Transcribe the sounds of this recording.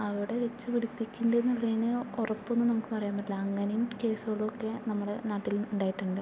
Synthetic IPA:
ɐʋɐɽe̞ʋet͡ɕːɨʋiɽupːikʲːundɐenːɐlːenɨorɐpːo̞nːɨnɐmukːɨpɐrɐjaːmɐʈlɐɐŋːɐnejumke̞ːsoɭːuokːe̞nɐmːuɽe̞naːʈːiluɳɖaːjiʈːuɳɖɨ

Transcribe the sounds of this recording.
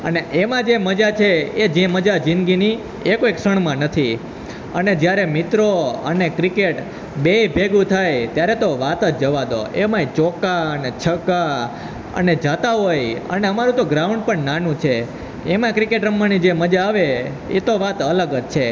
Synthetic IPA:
əneʔemãd͡ʒeməd͡ʒat͡ʃʰeed͡ʒẽməd͡ʒad͡ʒĩnɡini | ekoekʃəɳ̃mãnət̪ʰi | ə̰ned͡ʒjaɾemɪt̪ɾoənekɾikeʈ | bejbʱeɡũt̪ʰajt̪jaɾɛt̪oʋat̪ətd͡ʒəʋad̪o̰emãit͡ʃɔkaənet͡ʃʰəka | ə̰ned͡ʒat̪aɦojə̰neəmaɾũt̪oɡɾauɳɖ̚pəɳnanũt͡ʃʰe | emãkɾikeʈɾəmːanid͡ʒeməd͡ʒaːʋe | ḛt̪oʋat̪ələɡəd͡ʒt͡ʃʰe

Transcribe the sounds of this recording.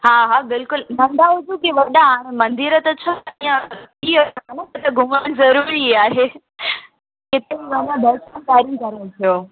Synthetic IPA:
ɦaːɦaːbɪlkʊlnɐ̃nd̪ʱaɦʊd͡ʑukiʋɐɗãɽ̃ẽmɐ̃nd̪iɾət̪ɐt͡ɕʰɐijãiəanəkət̪ɐɡʱʊmaːnzɐɾuɾiaːɦeː | kɪt̪eiʋɐɲãb̪ʱɐɾsə̃nkaːɾ̃nkɐɾəũt̪ʰijoː

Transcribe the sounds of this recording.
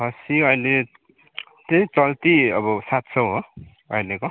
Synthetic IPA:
ɦʌsiʌjle | t̪ejt͡sʌlt̪iʌbʌsat̪sʰʌwɦo | ʌjleko

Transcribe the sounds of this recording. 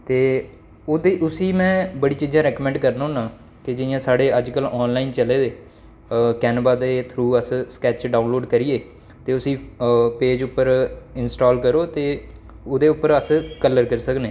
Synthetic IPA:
t̪eː | od̪eːʔʊsiːmɛ̃ːbəɽiːt͡ʃiːd͡ʒãːɾɛːkːmɛ̃ːɳɖkəɾnaːɦʊ̃ːnãː | k̪ed͡ʒɪɪjãːsaːɽeːəd͡ʒkəlɔːnlaːint͡ʃəleːd̪eː | kɛːnəbaːd̪eːt̪ʰɾuːəsskɛːt͡ʃɖaːnloːɖkəɾijeː | t̪eːʊsiːpeːd͡ʒʊpːəɾɪnsʈoːlkəɾoːt̪eː | ʊd̪eːʊpːəɾəskəlːəɾkəɾsəknẽː

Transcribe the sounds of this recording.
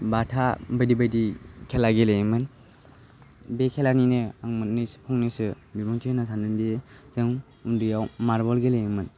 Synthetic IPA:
batʰabajdibajdikʰelaɡelejmɯn | bekʰelaninɯaŋmɯt̚nɯspʰɔŋnisɯ | bibɔŋtʰinasʰandɯndizɯŋ | undɯjawmaɾbɔlɡelejmɯn

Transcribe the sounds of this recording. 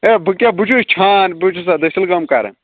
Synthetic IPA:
ebʱɨkʲjabut͡ʃʰust͡ʃʰaːnbut͡ʃʰusad̪ɐsilɡɐmka̰ːɾḛ

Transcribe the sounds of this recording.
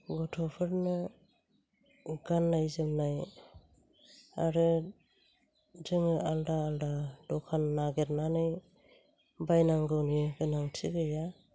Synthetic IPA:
ɡɔtʰɔpʰɯɾnɯ | ɡanːajzɯmnaj | aɾɯ | d͡ʒɯŋɯʔaldaːldad̥ɔkʰanːaɡeɾnanɯj | bajnaŋɡɯwniɡɯnaŋtʰiɡɯja

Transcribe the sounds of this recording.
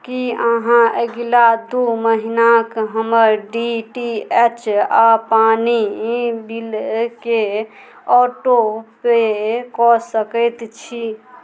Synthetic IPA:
kiəɦãeɡlad̪uməɦinakɦəməɾɖiʈiet͡ʃapanibilke | ɔʈopekɔsəkəjt̪t͡ʃʰi

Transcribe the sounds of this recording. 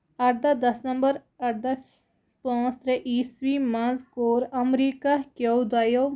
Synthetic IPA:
ɐʈ̚d̪ɐd̪ɐsnɐ̃mbəɾ | ɐɽd̪a | pãːst̪ɾeʔiːsʋimãzkoːɾɐmɾiːkakjowd̪aːjo

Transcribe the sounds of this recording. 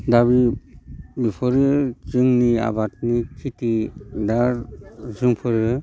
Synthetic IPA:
daβi | bipʰɔɾɯt͡ʃɯŋnia̰bat̚nikʰitidaɾzɯŋpʰɯɾɯ

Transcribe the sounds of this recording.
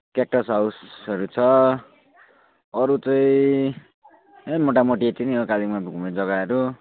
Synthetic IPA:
kak̚ʈʌsɦawsʌɾut͡sʰʌ | ʌɾut͡sʌĩ | ɦemoʈ̬amoʈiet͡siniʌkalimabʱɡumed͡zʌɡaʌɾu

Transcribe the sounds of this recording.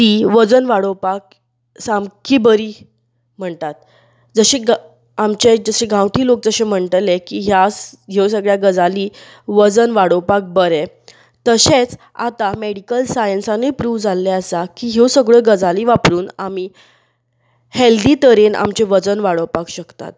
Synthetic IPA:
t̪iːʋəd͡zənʋaɽəpak̚ | samkibəɾiː | m̤əɳt̪at̪̚ | d͡zəɕeɡ | amt͡ɕed͡zəɕeɡãwt̪ʰiːlok̚d͡zəɕem̤əɳʈ̪əlekiɦjasɡʱewsəɡɭjaɡəd͡zali | ʋəd͡zənʋaɽəwpak̚bəɾɛ | t̪əɕet͡s | a̰t̪ameɽikəlsajənsanepɾuːʋd͡zalːɛəsakiːɦesəɡɭəɡəd͡zaliːʋapɾuːnami | held̪iːt̪əɾena̰mt͡ɕeʋəd͡zənʋaɽəwpakɕəkt̪a̰t̪̚

